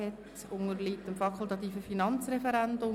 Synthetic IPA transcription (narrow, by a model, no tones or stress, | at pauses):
ɛt | ʊŋəɾliːtəmfɑkʰʊlˠt̪ɑt̪iːfəfinɑnt͡srɛfɛɾændʊ